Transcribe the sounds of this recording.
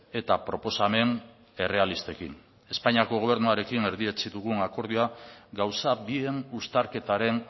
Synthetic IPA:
e̞t̪apɾo̞po̞same̞n | e̞re̞alist̪e̞kḭn | e̞spaɲiako̞ɣ̞o̞β̞e̞ɾnuaɾe̞kine̞ɾðie̞t͡siðuɣ̞unako̞ɾð̞iaɡawsabienust̪aɾke̞t̪aɾe̞n

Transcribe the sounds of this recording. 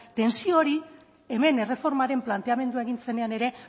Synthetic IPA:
t̪e̞nsioɾi | e̞me̞ne̞re̞fo̞ɾmaɾe̞mplant̪e̞ame̞nd̪uaeɣinse̞ne̞ane̞ɾe̞

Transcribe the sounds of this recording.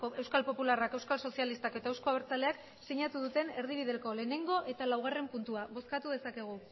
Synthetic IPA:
oe̞wskalpo̞pularake̞wskalso̞sialist̪ake̞t̪aewsko̞aβeɾt͡sale̞ak | seɲat̪uðut̪e̞ne̞ɾð̞iβ̞iðe̞lko̞le̞ːne̞ŋɡo̞ʔe̞t̪alawɣ̞are̞mpunt̪uaβo̞skat̪uð̞e̞sake̞ɣ̞u

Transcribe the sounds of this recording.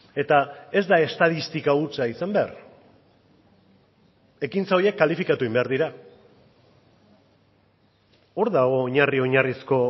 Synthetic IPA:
e̞t̪ae̞zd̪ae̞st̪að̞ist̪ikaut͡saisambea̰ɾ | e̞kint͡sao̞ɾje̞kːalifikat̪ueimbe̞aɾðiɾa | o̞ɾðaɣo̞ːɲario̞ɲarisko̞

